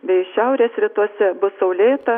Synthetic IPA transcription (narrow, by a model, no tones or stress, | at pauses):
bʲɛɪʃʲɛʊɾʲeːsɾʲɪt̪uɔsʲɛbʊsɐʊlʲeːt̪ɐ